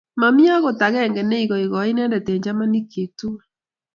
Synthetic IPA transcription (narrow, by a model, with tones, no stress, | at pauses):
ma˨mi˦a˦ɣo˨ta˨ɣɛ˦˨ŋɡɛ˨ne˦i˨ɣɔ˨i˨ɣɔ˨˦i˦nɛ˦ndɛ˨tɛ˨ɲd͡ʒa˦ma˦ni˦kʰe˨tu˦